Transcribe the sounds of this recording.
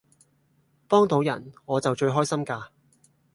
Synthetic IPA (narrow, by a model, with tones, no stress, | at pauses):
pɔː˥ŋt̪o˨˧wjɐ̰˨˩nŋɔː˨˧t͡sɐ˨wt͡ʃɵ˧ɥɦɔː˥jsɐ˥mkaː˧